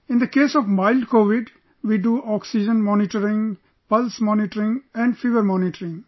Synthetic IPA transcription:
ɪ̃nd̪əkeːsɔʋmaɪlɖkoːʋɪɖ | ʋiɖuʔɔːksid͡ʒə̃nmɔːnɪʈəɾɪ̃ŋ | pʌlsmɔ̃ːnɪʈəɾɪ̃ŋɛ̃ɳɖfiʋəɾmɔːnɪʈəɾɪ̃ŋ

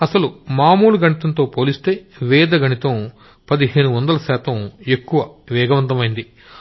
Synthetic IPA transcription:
ɐsɐlumaːmuːlɐɡɐɳit̪ɐnt̪o̞ːpo̞ːlist̪e̞ːʋɛːd̪ɐɡɐɳit̪ɐm | pɐd̪iɦe̞ːɳuʋɐnd̪ɐlɐʃɛːt̪ɐme̞kːuʋɐʋɛːɡɐʋɐnt̪ɐmɐjind̪i

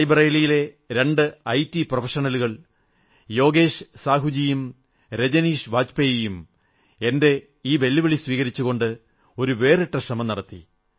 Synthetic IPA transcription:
jbrɐjlijile̞ | ɾe̞ɳɖɨɐjtːiprofɐʂɐnɐluɣɐɭ | jo̞ːɡe̞ːʂsaːɦud͡ʑijum | ɾe̞d͡ʑɐniːʂʋaːt͡ɕpejejum | e̞nde̞ | iːʋelːuʋɐɭisʋiːɣɐɾit͡ɕːuɣo̞ɳɖɨ | o̞ɾuʋe̞ːriʈːɐʂrɐmɐmnɐɽɐt̪ːḭ

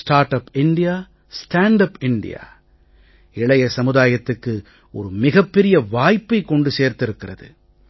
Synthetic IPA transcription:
sʈaːɾʈɐpɪɳɖɪjaː | sʈaːɳɖɐpɪɳɖɪ̰ja̰ː | ɪɭɐjɐsɐmɯðaːjɐt̪ːɯkːɯ | ʔɔ̰ɾɯmɪɣɐpːɛɾɪjɐʋaːjpːɐɪkːɔɳɖɯseːɾt̪ɪɾɯkːɪrɐðɯ̰

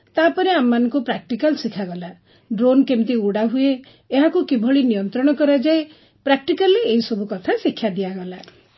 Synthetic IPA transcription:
t̪apɔneamːanɔŋkupɾak̚ʈikalsikʰaɡɔla | ɖɾonkemt̪iuɽaɦueː | ɦakukibʱɔɭinijɔnt̪ɾɔɽ̃ɔkɔɾad͡ʒae | pɾak̚ʈikalːeːɦisɔbukɔt̪ʰasikʰːjad̪iaɡɔla

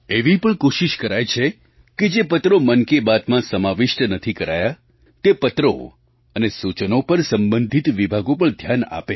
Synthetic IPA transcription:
eʋipəɳkoʃiʃkəɾajt͡ʃʰe | ked͡ʒepət̪ɾomənkebat̪mãsəmaʋɪʃʈnət̪ʰikəɾaja | t̪epət̪ɾo̰ | ənesut͡ʃənopəɾsəmbənd̪ʱit̪ʋibʱaɡopəɳd̪ʱjana̰pe

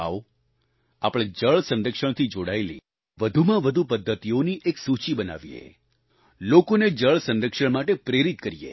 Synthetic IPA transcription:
a̰ʋ | apɽ̃ed͡ʒəɭsə̃nɾəkʃəɽ̃t̪ʰid͡ʒoɽaelḭ | ʋəd̪ʱumãʋəd̪ʱupəd̪ʱːət̪ijoniʔeksut͡ʃibəna̰ʋiḛ | lokoned͡ʒəɭsə̃nɾəkʃəɽmaʈepɾeɾit̪̚kəɾiḛ

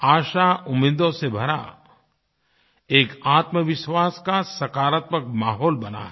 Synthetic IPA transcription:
aːʃaʊmɪd̪õsebʱɐɾa̰ | eːkaːt̪məʋɪʃwaːskasɐkaːɾət̪məkmaːɦɔːlbɐna̰ɦɛ

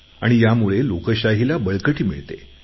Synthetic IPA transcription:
a̰ɽ̃ijamuɭelokəɕaɦilabəɭkəʈiːmḭɭt̪ḛ

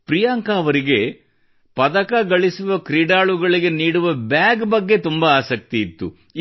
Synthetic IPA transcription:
pɾijaːŋkaːʋɐɾiɡe̞ | pɐd̪ɐkɐɡɐɭisuʋɐkɾiːɖaːɭuɡɐɭiɡe̞niːɽuʋɐbjaːɡbɐɡːe̞t̪umbɐaːsɐk̚t̪iːt̪ːṵ

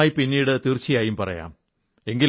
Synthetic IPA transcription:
jipinːiːɽɨt̪irt͡ɕːijaːjumpɐrɐ̰ja̰ːm | e̞ŋɡil

